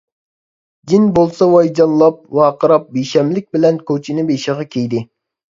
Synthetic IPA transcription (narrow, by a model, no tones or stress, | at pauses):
d͡ʒ̪inbolˠsɑwɑjd͡ʒɑnllˠɑp̚wɑːqəɾɑp̚beʃɛmlɪk̚ʲbɪlɛnkʰʲøt͡ʃʰinɪbeʃɪʁɑkʲʰejd̪ɪ